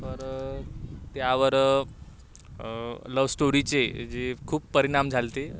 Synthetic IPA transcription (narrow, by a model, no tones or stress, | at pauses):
pəɾ | t̪jaʋəɾ | ləʋsʈoɾit͡sed͡zekʰuːpːəɾiɽ̃amd͡zʱalt̪e